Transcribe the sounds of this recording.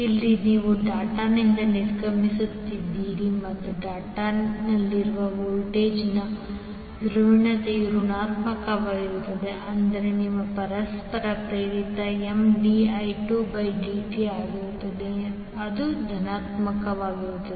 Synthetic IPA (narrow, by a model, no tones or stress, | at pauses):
ilːiniːʋuɖaːʈanind̪ɐniɾkɐmisut̪ːid̪ːiːɾimɐt̪ːuɖaːʈanɐlːiɾuʋɐʋoːlʈe̞ːd͡ʒnɐ | juɾuʋiɳɐt̪ejuɾuɳaːt̪mɐkɐʋaːɡiɾut̪ːɐd̪e̞ʔɐnd̪ɐɾeniʋːɐpɐɾɐspɐɾɐpɾɐɾit̪ɐemɖiɐjʈuːbɐjɖiːʈiaːɡiɾut̪ːɐd̪e | ɐd̪ud̪ʱɐnaːt̪mɐkɐʋaːɡiɾut̪ːɐd̪e